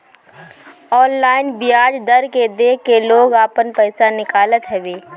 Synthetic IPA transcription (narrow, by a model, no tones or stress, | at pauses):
ɔːnlaːɪnbɪjaːd͡ʒd̪əɾked̪eːkeloːɡaːpənpɛːsanɪkaːlət̪ɦɛʋeː